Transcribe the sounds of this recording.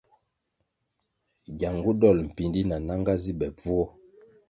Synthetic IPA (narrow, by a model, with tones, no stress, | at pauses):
ɡja˨ŋɡu˦dɔ˦˨lm̩˨pi˨ndi˦na˨na˦ŋɡa˦zi˦bɛ˨b͡vu˦ɔ˦